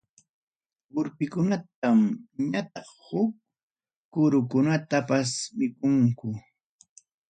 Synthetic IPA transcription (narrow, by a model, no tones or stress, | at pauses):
wʊɾpɪkʊnat̪̚amɲat̪ɑχhʊk̚ː | ʊɾʊkʊnat̪apasmɪkʊŋkʊ